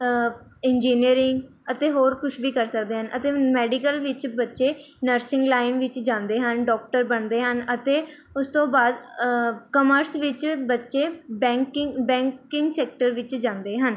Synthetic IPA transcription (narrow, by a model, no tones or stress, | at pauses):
ɪnd͡ʒiːniəɾɪŋɡ | ət̪eːɦoːɾkʊʃʰʋiːkəɾsək̚d̪eːɦənʔət̪eːmɛːɖikəlʋɪt͡ʃbətːʃeːnəɾsɪ̃ŋɡlaːɪnʋɪt͡ʃd͡ʒãːnd̪eːɦənɖɔːk̚ʈəɾbəɳd̪eːɦənət̪eː | ʊst̪õːbaːd̪ | kəməɾsʋɪt͡ʃbətːʃeːbɛ̃ːŋkɪbɛ̃ːŋkɪ̃ŋɡsɛːk̚ʈəɾʋɪt͡ʃd͡ʒãːnd̪eːɦən